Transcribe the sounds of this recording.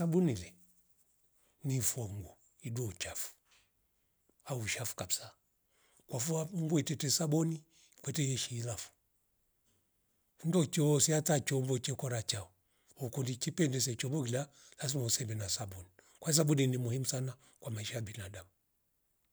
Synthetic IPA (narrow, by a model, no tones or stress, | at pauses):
sabunilɛ | nifɔŋɡu | iduɔt͡ʃafu̥ | auʃafu̥kai̥sa | kwafuaŋɡuɛtɛtɛsabɔni | kwɛtɛjɛʃiːlafu̥ | undɔt͡ʃɔsiatat͡ʃɔmbɔt͡ʃɛkɔɾat͡ʃaɔ | ɔkundikipɛndɛs̬ɛt͡ʃɔmbɔkila | las̬imausɛmbɛnasabɔni | kwais̬abuninimuhimusana | kwamaiʃajabinadamu